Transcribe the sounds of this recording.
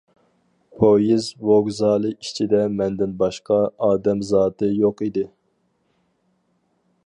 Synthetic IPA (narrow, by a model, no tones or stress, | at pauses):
pʰojizwoɡzɑːlˠɨit͡ʃʰid̪ɛmɛnd̪ɪnbɑʃqʰɑɑːd̪ɛmzɑːt̪ʰɨjoqid̪ɪ